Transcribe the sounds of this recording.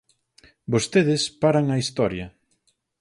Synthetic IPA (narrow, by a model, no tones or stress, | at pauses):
bost̪eðɪspaɾaŋɐist̪ɔɾjɐ